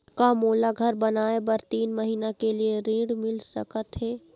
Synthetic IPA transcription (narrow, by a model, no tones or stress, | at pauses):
kamoːlaɡʱɐɾbɐnaːebɐɾt̪iːnmɐɦiːnakelieɾĩːɽmɪlsɐ̰kət̪ɦɛː